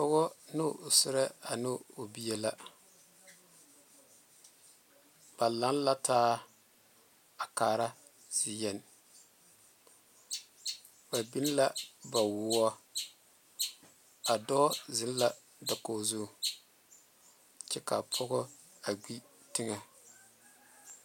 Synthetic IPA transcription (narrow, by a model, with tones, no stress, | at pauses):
pʊ˦ɣɔ˦nʊ˦˨sɪ˦ɾɛ˦a˨nɪ˦o˨bi˦ɛ˦la˦ | b̥a˨la˦n˦la˦tʰaː˦ | a˨kaː˨ɾa˦ | z̥ɪ˨jɛ˨n | ba˨bi˦n˦la˦ba˨wʊ˦ɔ˦ | a˨dɔ˦zɪ˨˦n˦la˨ | da˨koː˦zu˦˨ | t͡ʃɛ˦ka˨pʰʊ˦ɣʊ˦ | a˨ɡ͡bi˦ | tɪ˦ŋa˨